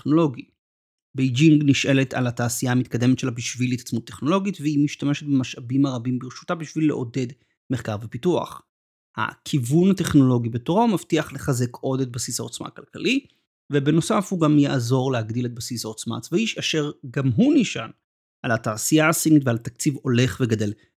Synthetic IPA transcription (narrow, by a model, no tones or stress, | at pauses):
eχno̞lo̞ɡi | bejd͡ʒiŋɡniʃʔe̞le̞tʰa̰lataːsijaːmit̚kad̪e̞metʃelabiʃvilitḁt͡smut̪ːe̞χno̞lo̞ɡitvehimiʃtame̞ʃet̪̚bemaʃʔabimaʁabimbiʁʃu̥tabiʃvilːeʔo̞de̞d | meχkaʁvepitua̰χ | ha̰kʰivunhateχno̞lo̞ɡibetoʁomaftiaχleχaze̞kʰo̞de̞t̚basishao̞t͡sma̰kalkali | vebe̞no̞safhuɡamjaʔzo̞ʁleɦaɡd̪ile̞t̪̚basishao̞t͡sma̰ːt͡svaiʃaʃe̞ʁɡamɦuniʃa̰n | ʔalataːsijaːsinitvealat̪ak̚t͡sivo̞le̞χveɡad̪e̞l